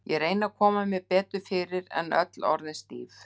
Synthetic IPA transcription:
jɛɾeːjnakʰɔːmamjɛɣpɛːt̪ʏɾfɪːɾɪɾɛ̰nʔœ̰t̪lɔ̰ɾðɪnst̪iːf

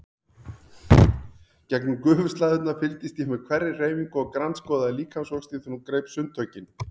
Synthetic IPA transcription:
cɛknʏmkʏːvʏ̥st̪laːðʏt̪nafɪlt̪ɪst̪jɛhmɛðkʰvɛɾːɪreːjviŋkɔɣkɾanskɔːðaliːkʰansɔkst̪ɪθʏnumkɾejpsʏnt̪ʰœːɥcɪn

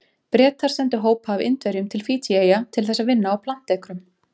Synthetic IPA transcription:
pɾɛːt̪aɾ̥sɛnt̪ʏɦoːwphaːvɪ̰nt̪vɛɾjʏmt̪ʰɪlfiːt̪ʰiejat̪ʰɪlθɛsːaðvɪnːaːwpʰlan̥t̪ɛkɾʏm

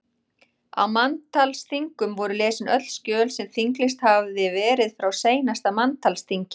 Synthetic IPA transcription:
a̰wmant̪ʰalsθiŋkʏmvɔɾʏlɛːsɪnœ̰t̪l̥scœːlsɛmθiŋklɪst̪havðɪvɛːɾɪðfɾawseːjnast̪amant̪ʰalst̪ʰiŋcɪ

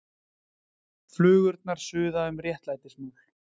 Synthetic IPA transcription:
flʏːɣʏɾt̪̚naɾ̥sʏːðaʏmrjɛht̪laːjt̪ɪsmawl̥

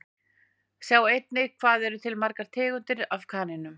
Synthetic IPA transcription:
sjaːwejt̪nɪɣkʰvaːðɛɾʏt̪ʰɪlmaɾkaɾ̥t̪ʰɪːɣʏnt̪ɪɾafkʰaːnɪnʏm

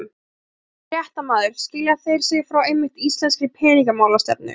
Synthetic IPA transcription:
m | jɛht̪amaːðʏɾ̥scɪːljaθejɾ̥sɪɣfɾawejmːɪht̪ist̪lɛnskɪpʰɛːniŋkamaːwlast̪ɛ̰p̚nɪ̰

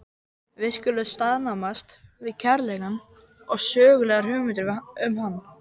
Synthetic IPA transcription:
vɪðscʏːlːʏst̪aðnamast̪vɪðcʰɛɾlɛɣan | ɔɣsœːɣʏlɛːɣaɾ̥hʏɣmɪnt̪ɪɾʏmhanːa

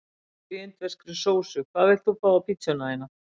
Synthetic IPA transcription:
iʏnt̪vɛskɾʏsoːwsʏkʰvaːðvɛjlt̪θufaːwapʰit̪sɔnaajna

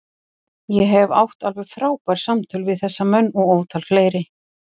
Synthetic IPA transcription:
jɛɦɛva̰wht̪alvɛɣfɾaːwpajɾ̥samt̪ʰʏlvɪðθɛsːamœnːɔɣoːwt̪ʰalfleːjɾɪ

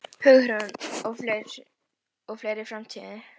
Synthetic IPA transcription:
pʰœɣɾanɔfleɾ | ɔɣfleːjɾɪfɾamt̪ʰiðɪ

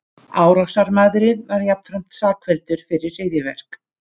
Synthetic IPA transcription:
aːwɾasaɾmaːðɾɪðvaɾjap̚n̥fɾam̥t̪saːkʰvɛlt̪ʏɾ̥fɪɾɪrreːjðjɪvɛ̰r̥k

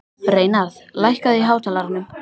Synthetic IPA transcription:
pɾeːjnaðlajhkaðiɦaːwt̪ʰaːlaɾɪnʏm

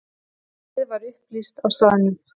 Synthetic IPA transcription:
ɪðvaɾʏhplist̪awst̪aːðɪnʏm

